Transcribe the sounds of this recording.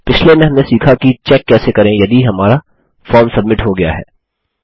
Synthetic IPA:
pɪt͡ʃʰlemẽɦɐmnesiːkʰakit͡ʃɛːkːɛːsekɐɾẽjɐd̪iɦɐmaːɾa | fɔːɾmsɐbmɪʈɦoɡɐja̰ɦɛ̰ː

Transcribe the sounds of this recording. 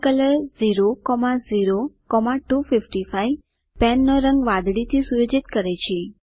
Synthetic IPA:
kələɾziɾokɔmaziɾokɔmaʈufifʈifaj | pɛnːoɾəŋɡʋãd̪ɽit̪ʰisuɾod͡ʒit̪kəɾet͡ʃʰe

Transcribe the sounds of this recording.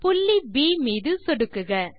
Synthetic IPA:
pʊlːibiːmiːðɯsɔɽɯkːɯɣɐ

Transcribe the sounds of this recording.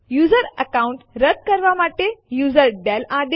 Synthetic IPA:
juːzəɾəkauɳʈɾət̪̚kəɾʋamaʈejuːzəɾɖɛlad̪e

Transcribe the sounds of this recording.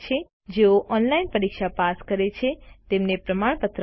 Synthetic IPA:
t͡ʃʰe | d͡ʒeoʔɔnlainpəɾikʃapaskəɾet͡ʃʰet̪emnepɾəmaɳ̃pət̪ɾ

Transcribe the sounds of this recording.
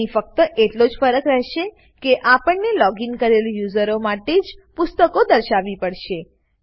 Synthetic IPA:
ifək̚t̪əʔeʈlod͡ʒfəɾəkɾɛɦʃe | keʔapəɳnelɔɡinkəɾelujuzəɾomaʈed͡ʒpʊst̪əkod̪əɾʃaʋipəɽʃe

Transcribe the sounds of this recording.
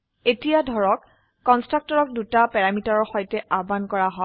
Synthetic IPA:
etijadʱɔɹɔkː | ɔnstɹak̚tɔɹɔk̚dutapɛɹamitaɹɔɹxɔjtɛʔabankɔɹaɦɔ

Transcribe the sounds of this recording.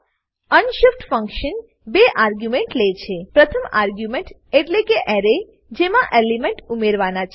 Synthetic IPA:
ənʃɪfʈfə̃ŋkʃən | beʔaɾɡjumeɳʈlet͡ʃʰepɾət̪ʰəmaɾɡjumẽɳʈ | eʈlekeʔɛɾe | d͡ʒemãʔelimeɳʈumeɾʋanat͡ʃʰe

